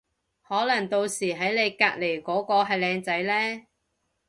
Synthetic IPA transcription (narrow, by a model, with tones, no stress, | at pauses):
hɔː˨˥lɐ˨˩ŋt̪o˧wsiː˨˩ɦɐ˨˥jne˨˧jkaː˧k̚le˨˩jkɔː˨˥kɔː˧ɦɐ˨jlɛː˧ŋt͡sɐ˨˥jlɛː˥